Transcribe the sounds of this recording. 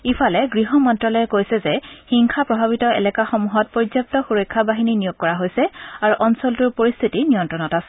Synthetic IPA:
ipʰalɛɡɹiɦɔmɔntɹɔlɔjɛkojsɛzɛxiŋkʰapɹɔbʱaβitɔɛ̰lɛkaxɔmuɦɔt̚pɔɹdzjap̚tɔxuɹɔjkʰːabaɦininijoɡ̚kɔɹaɦojsɛaɹuʔɔnsɔltʊɹpoɹist̪ʰitinijɔntɹɔnɔtasɛ̥

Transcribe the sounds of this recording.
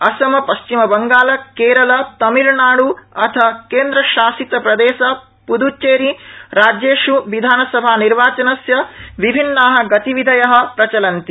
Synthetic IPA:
ɐsɐmɐpɐʃt͡ʃimɐbɐŋɡaːlɐkeːɾɐlɐt̪ɐmiɾnaːɽuɐt̪ʰɐkeːnd̪ɾɐʃaːsit̪ɐpɾɐd̪eːʃɐ | pud̪ut͡ʃeːɾiɾaːd͡ʒeːʃuʋid̪ʱaːnɐsɐbʱaːniɾʋaːt͡ʃɐnɐsjɐʋibʱinːaːɦɐ̆ɡɐt̪iʋid̪ʱɐjɐɦɐ̆pɾɐt͡ʃɐlɐnt̪i

